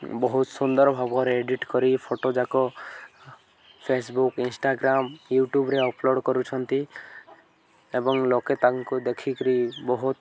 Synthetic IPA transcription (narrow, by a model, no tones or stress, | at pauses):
bɔɦut̪sund̪ɔɾɔbʱabɔɔɾeeɖiʈkɔɾipʰoʈod͡ʒakɔ | pʰesbukinsʈaɡɾamjuʈubɾeɔploɽkɔɾut͡ʃʰɔnt̪i | ebɔŋloket̪aŋkud̪ekʰikɔɾibɔɦut̪